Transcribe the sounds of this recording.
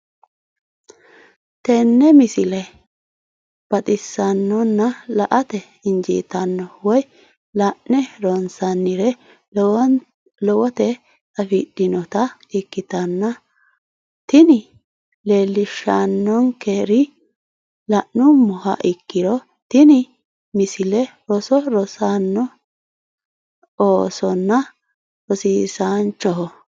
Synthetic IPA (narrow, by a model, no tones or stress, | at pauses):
t̪ɛnːɛmɪsɪlɛ | b̥ɐt̪ʼɪsːɐnːɔnːɐlɐʔɐt̪ɛ | ɪnd͡ʒḭːt̪ɐnːɔwɔj | lɐʔnɛɾɔnsɐnːɪɾɛ | lɔwɔt̪ɛ | tɐfiɗ̥ɪnɔt̪ɐɪkːɪt̪ɐnːɐ | t̪ɪnɪ | leːlːɪʃanːɔnkeɾɪ | lɐʔnʊmɔhɐ̰ʔɪkːɪɾɔ | t̪ɪnɪ | mɪsɪlɛɾɔsɔɾɔsanːɔ | oːsɔnːɐ | ɔsiːsant͡ʃːɔɦɔ